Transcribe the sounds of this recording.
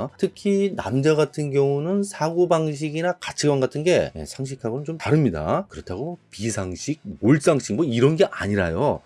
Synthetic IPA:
tʰɯkʰina̰md͡ʑaɡatʰɯnɡjʌŋunɯnsʰaɡobaŋɕ̬ʰiɡinakat͡ɕʰiɡwʌnɡatʰɯnɡe̞je̞̰sʰaŋɕ̬ʰikʰaɡonɯnt͡ɕomtaɾɯmɲida̰kɯɾʌtʰaɡopisʰaŋɕʰiɡ̚moɭs͈aŋɕʰik̚moiɾʌnɡe̞ʔa̰ɲiɾa̰jo

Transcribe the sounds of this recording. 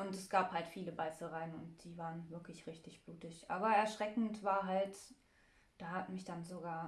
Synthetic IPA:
ʔʊntɛsɡ̥aːphaltfiːləbaɪsl̩ʁaɪənʊ̰nt̚d̥iːvaːʁənvɪɐklɪçʁɪçtɪçb̥luːtɪçʔaːbɐɛɐʃʁ̥ɛkŋ̩tv̥aːɐɦalt | d̥aːhatmɪçd̥anzoɡaːɐ

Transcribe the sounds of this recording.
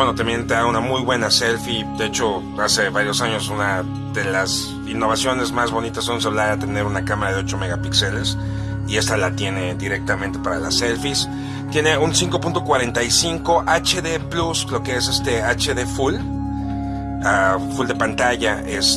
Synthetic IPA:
bweno̞t̪ambje̞nt̪eðaunamujβwe̞nase̞lfid̪eet͡ʃo̞ | ase̞βaɾjo̞saɲo̞suna | ðe̞las | inːo̞β̞asjo̞ne̞zmazβo̞nit̪asonsaβlaat̪e̞ne̞ɾunakamaɾaðeot͡ʃo̞me̞ɣapikse̞le̞s | ie̞st̪alat̪je̞ne̞d̪iɾe̞k̚t̪ament̪e̞paɾa̰la̰se̞lfis | t̪je̞ne̞unsiŋko̞punt̪o̞kwaɾe̞nt̪ajsiŋko̞ʔat͡ʃeðe̞pluslo̞keesest̪e̞at͡ʃeðe̞ful | afuld̪epant̪aʝaʔes

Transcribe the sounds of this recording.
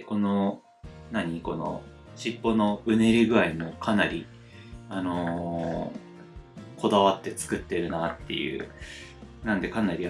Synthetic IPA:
ko̞no̞ | naɲ̟iko̞no̞̰ | ɕipːo̞no̞ɯ̟ne̞ɾʲiɡɯ̟aimo̞kʰanaɾʲi | ano̞ | kʰo̞d̪aβat̪ːe̞t͡sɨ̥kɯ̟t̪ːe̞ɾɯ̟nat̪ːe̞̰jɯ̟̰ː | nãnd̪e̞kanaɾʲi

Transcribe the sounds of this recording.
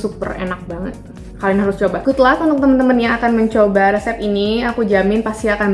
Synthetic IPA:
supə̰rḛnak̚baŋə̰t̪̚ | kalinɦaɾʊst͡ʃobakut̪lat̪unt̪ʊk̚t̪əmənt̪əmənjaŋakanməɲt͡ʃobaɾɛsɛp̚iniakud͡ʒamɪnpast̪iakan

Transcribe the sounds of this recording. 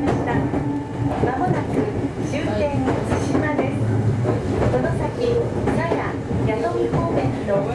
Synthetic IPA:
maɕi̥t̪a | mamonakɯɕɨːt̪ẽɲːit͡sɨɕimaɾe | sonosakʲisaja | jat̪omihomẽ | o

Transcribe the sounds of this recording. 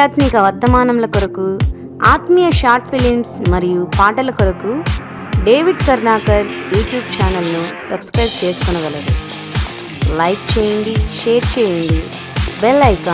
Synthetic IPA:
aːt̪mikɐʋɐd̪ːɐmaːnɐmlɐkoɾɐku | aːt̪mijɐʃaːɾʈ̚pʰiliŋsmɐɾijupaːʈɐlɐkoɾɐku | ɖe̞ːʋiɖkɐɾnaːkɐɾjuːʈjuːbt͡ʃaːnɐlnusɐbskɾɐjb̚t͡ʃe̞ːsu̥kunɐʋɐlːɐd̪ṵ | lɐjkt͡ʃeːjiɳɖ̪iʃe̞ːɾt͡ʃeːjiɳɖ̪i | belːɐjka

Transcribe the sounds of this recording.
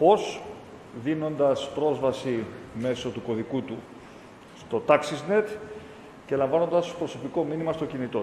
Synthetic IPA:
po̞s | ðino̞nd̪ɐspɾo̞zvɐsime̞so̞t̪uko̞ðikut̪u | st̪o̞t̪ɐksizne̞t̪ | ce̞lɐɱvɐno̞nd̪ɐspɾo̞so̞piko̞minimɐst̪ocinit̪o̞

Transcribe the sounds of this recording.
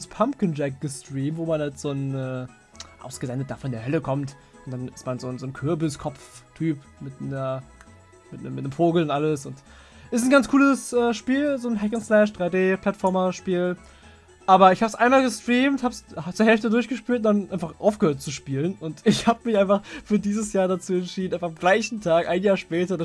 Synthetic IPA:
spʰampkənd͡ʒɛk̚ɡ̥əstʁ̥iːmtvoːmanhaltz̥oːnɛː | ʔa̰ʊsɡ̥əzɛndət̚d̥aːfɔndeːɐhœləkʰɔmt | ʔʊnt̚d̥anɪstmanzoːnzoːnkʰʏɐbɪskʰɔpp͡ftʰyːp | mɪtnɐ | mɪtnəmːɪtnəmfoːɡl̩ʊntʔaləsʊnt | ʔɪstn̩ɡant͡skʰuːləsʔɛːʃpiːlzoːnɦɛkənslɛʃd̥ʁaɪdeːpʰl̥atfɔɐmɐʃpiːl | ʔaːbɐɪçhaːbəsʔaɪnmaːlɡəstʁ̥iːmthaːbshat͡suːɐɦɛlftədʊɐçɡ̥əʃpiːltʊndanʔaɪnfaχʔa̰ʊfɡ̥əhøːɐt̚t͡suʃpiːlənʊntɪçhaːbəmɪçʔaɪnfaχfyːɐdiːzəsjaːɐdat͡suːɛntʃiːdn̩aɪfaamɡlaɪçn̩tʰaːkʔaɪnjaːɐʃpɛːtɐda

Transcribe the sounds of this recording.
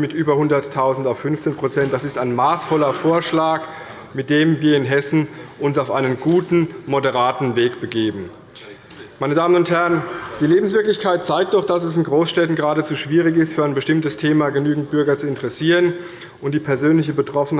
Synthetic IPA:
mɪtʔyːbɐhʊndɐtʰːaʊzn̩taʊffʏnft͡seːnpʁ̥ot͡sɛnt̚d̥asɪstaɪnmaːsfɔlɐfoːɐʃlaːk | mɪt̚d̥eːmviːɐɪnɦɛsn̩ʔʊnsaʊfʔaɪnənɡuːtn̩modəʁaːtn̩veːkb̥əɡeːbm̩ | maɪnədaːmənʊnthæɐənd̥iːleːbm̩s̬v̥ɪɐklɪçkʰaɪt̚t͡saɪk̚t̚d̥ɔχd̥asɛsɪnɡʁoːsʃtɛtn̩ɡəʁaːdət͡suːʃv̥iːʁɪçɪstfyːɐaɪnbəʃtɪmtəstʰeːmaːɡənyːɡŋ̩t̚b̥ʏɐɡɐt͡suɪntʰəʁɛsiːʁən | ʔʊntd̥iːpʰɛɐzøːnlɪçəbətʁ̥ɔfn̩

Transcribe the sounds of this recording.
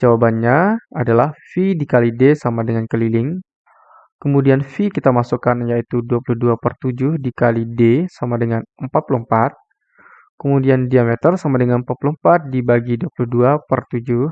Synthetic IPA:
d͡ʒawabanɲaadalahfidikalidesamadəŋankəlilɪŋ | kəmudianfikit̪amasukanjait̪uduapuluhduapərt̪ud͡ʒʊhdikalidesamadəŋanəmpat̪̚puluəmpat̪̚ | kəmudiandiamet̪ərsamadəŋanəmpat̪̚puluhmpat̪̚dibaɡiduapuluhduapərt̪ud͡ʒʊ

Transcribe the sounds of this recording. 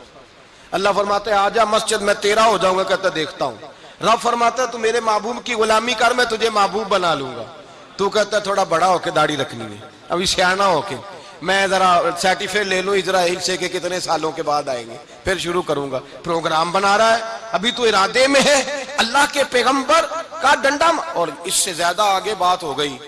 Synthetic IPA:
ɐlːafɐɾmaːt̪eɦɛaːd͡ʒaːmɐsd͡ʒɪd̪mɛ̃t̪eːɾaɦod͡ʒaːũːŋɡakɛɦt̪aɦɛ̃d̪eːkʰt̪aːɦṵ̃ːɾɐbfɐɾmaːt̪eɦɛ̃t̪umeːɾemaːbuːbkiɣʊlaːmikaɾmɛ̃t̪ʊd͡ʒʱemaːbuːbːɐnaːlũːŋɡa̰ː | t̪ukɛɦt̪aɦɛ̃t̪ʰoːɽabɐɽaɦoːked̪aːɽiɾɐkʰnḭɛ̰ː | ɐ̰bʱisjaːnaɦoːkeː | mɛ̃ːzɐɾasɛːʈɪfʰeleːlũɪd͡ʒɾaːiːlsekekɪt̪nesaːlõkebaːd̪aːḛ̃ːŋɡeː | pʰɪɾʃ̬ʊɾukɐɾũːŋɡaː | pɾoːɡɾaːmbɐnaːɾaɦɛːɐbʱit̪uɪɾaːd̪emẽɦɛɐlːaɦkepɛːɣə̃mbəɾkaɖɐ̃ɳɖamɔːɾɪsːezjaːd̪aaːɡebaːt̪ɦoɡɐiː

